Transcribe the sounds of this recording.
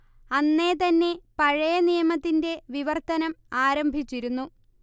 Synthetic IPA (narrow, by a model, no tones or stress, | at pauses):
ɐnːe̞t̪ɐnːe̞pɐɻɐjɐnijɐmɐt̪ːinde̞ʋiʋɐrt̪ɐnɐmaːɾɐmbʱit͡ɕːiɾunːu